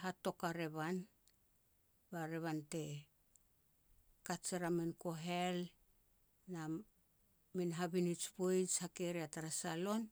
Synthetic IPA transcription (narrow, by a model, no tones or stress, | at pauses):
ɦato̞kaɾe̞βan | baɾe̞βante̞ | kat͡ʃaɾaminko̞ɦe̞l | na | minɦaβinit͡ʃbojt͡ʃhakeɾiataɾasalo̞n